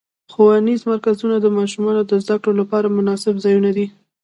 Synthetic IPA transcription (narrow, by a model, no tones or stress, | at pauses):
xowanizmaɾkazunad̪əmɑʃumɑnod̪əzd̪akɽolapɑɾamʊnɑsɪbzɑjunad̪i